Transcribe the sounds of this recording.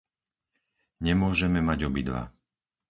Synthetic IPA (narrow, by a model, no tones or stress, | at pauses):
ɲɛmʊɔʒɛmɛmaɟɔbid̪ʋa̰